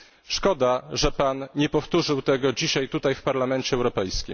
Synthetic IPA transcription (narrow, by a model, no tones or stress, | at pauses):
ʂkɔd̪aʐɛpanɲɛpɔft̪uʐɘwt̪ɛɡɔd͡ʑiɕajt̪ut̪ajfpaɾlamɛnt͡ɕɛːwɾɔpɛjskʲḭm